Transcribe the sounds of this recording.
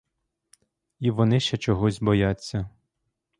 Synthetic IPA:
iʋɔnɪʃt͡ʃɛt͡ʃɔɦɔzʲbɔjat͡sʲːɐ

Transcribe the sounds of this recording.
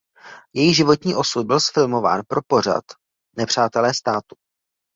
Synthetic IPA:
jɛjɪɣʒɪvo̞t̪ɲiːʔo̞sud̪̚bɪlsfɪlmo̞va̰ːnpɾʔo̞po̞r̝a̰t̪ | nɛpr̝̥aːt̪ɛlɛːst̪aːt̪u

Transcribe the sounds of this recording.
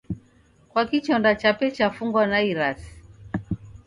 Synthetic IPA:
kwakit͡ʃɔndat͡ʃapɛt͡ʃafuŋɡwanaiɾasi̥

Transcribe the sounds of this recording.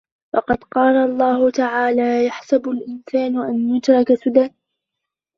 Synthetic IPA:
wɑqɑd̪qɑːlalˤːɑːhʊt̪aʕaːlaːjaħsabʊlʔɪnsaːnʔanjʊt̪ɾˤɑkasʊd̪an

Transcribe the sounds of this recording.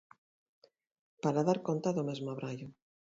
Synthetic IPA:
paɾaðaɾkont̪aðomezmoaβɾaʎʊ

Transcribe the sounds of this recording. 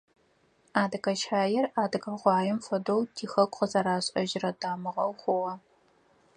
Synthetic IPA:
aːdɨkɐt͡ʃʰaːjɪraːdɨɡɐʁʷɑːjɪmfɐdowtʰiːxɐkʷʼqəzɐɾaːɕʼɐʒɪrɐdaːmɨʁɐwχʷʊʁɐ

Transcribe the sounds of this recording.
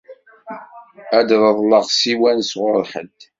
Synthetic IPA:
æd̪ɾˤəðˤləʁsiwænsʁʊɾħə̰d̪

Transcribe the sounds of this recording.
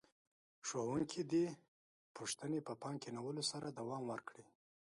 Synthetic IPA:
ʂowuŋkʰid̪i | pʰuʂt̪ənepəpɑŋkenawəlosaɾad̪awɑmwəɾkɽi

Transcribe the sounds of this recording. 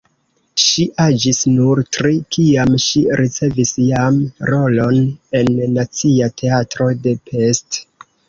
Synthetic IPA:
ʃiʔad͡ʒisnuɾtɾikiamʃiɾit͡se̞visjamɾo̞lo̞ne̞nːat͡siatʰe̞atɾo̞de̞pʰe̞st

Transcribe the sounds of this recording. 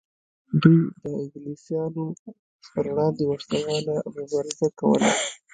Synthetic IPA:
d̪ujd̪əɪɡlisjɑno | pəɾɽɑnd̪ewaslawɑlamʊbɑɾɪzakawə̰la̰

